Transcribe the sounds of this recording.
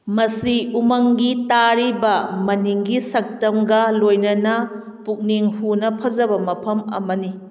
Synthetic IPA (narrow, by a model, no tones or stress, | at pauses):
mɐsiumɐŋɡitaɾibɐmɐniŋɡisɐk̚tɐmɡɐlojnɐnɐ | puk̚niŋhunɐpʰɐd͡ʒɐbɐmɐpʰɐmɐ̰mɐni